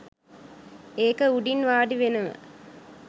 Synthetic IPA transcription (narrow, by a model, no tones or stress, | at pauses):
eːkəuɖinʋaːɖiʋenəʋə̰